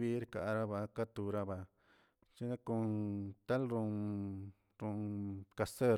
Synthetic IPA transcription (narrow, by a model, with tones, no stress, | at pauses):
βi˦ɾka˨ʔɾa˦βa˧ka˦t̪u˧ɾa˦βa˧ | t͡ʃi˦nã˦kũ˧t̪a˦lɾũ˧ | ɾũ˧ka˧sə˦˧